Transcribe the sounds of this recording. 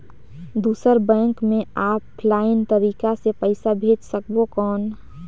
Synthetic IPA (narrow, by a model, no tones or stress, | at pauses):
d̪uːsəɾbɛ̃ːŋkmẽaːppʰlaːɪnt̪əɾiːkasepəɪsabʱeːd͡ʒsəkbokɔːn